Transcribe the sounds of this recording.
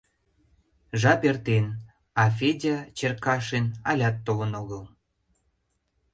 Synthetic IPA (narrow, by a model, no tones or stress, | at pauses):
ʒɑpert̪en | ɑfʲedʲɑt͡ɕerkɑʃenɑlʲɑt̪ːolənoɣəl